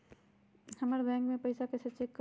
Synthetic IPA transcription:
həməɾbɛ̃ŋkmẽpəɪsakeset͡ʃekːə

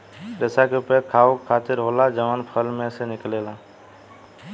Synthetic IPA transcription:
ɾesakepeɾkʰaːokʰːaːt̪ɪɾɦoːlad͡ʒəʋaːnpʰəlmẽsenɪkleːla

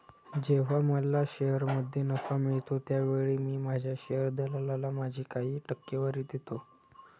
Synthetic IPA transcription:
d͡ʑeʋ̤aməlaɕejəɾməd̪ʱːjenəkamiɭt̪ot̪jaʋeɭiːmiːmad͡ʑʱjaɕejəɾd̪elalalamad͡ʑʱiːkaɦiːʈəkːeʋəɾit̪et̪o

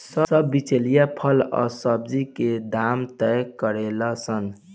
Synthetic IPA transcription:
səsəbːit͡ʃelijapʰələ̰səbd͡ʒiked̪amt̪əjkəɾeləsən

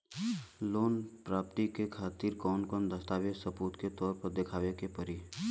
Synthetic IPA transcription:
loːnpɾaːp̚t̪ikekʰaːt̪iɾkɔːnkɔːnd̪əst̪aːʋesəpuːt̪ket̪ɔːɾpəɾd̪ɪkʰaːʋekepəɾi

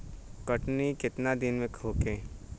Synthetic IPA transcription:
kəʈnikɪt̪nad̪ɪnmẽkʰoːkẽː

